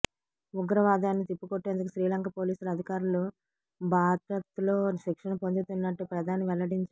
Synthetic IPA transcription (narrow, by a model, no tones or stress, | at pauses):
uɡɐɾɐʋaːd̪aːnːit̪ipːukoʈːeːnd̪uk̬uʃɾiːlɐŋkɐpo̞ːliːsulɐd̪ʱikaːɾulu | bʱaːd̪ɾɐt̪uloːʃikʂɐɳɐpond͡ʒ̪ut̪unːɐʈːupɾɐd̪aːnɐʋɛɭɐɽiɲt͡ʃ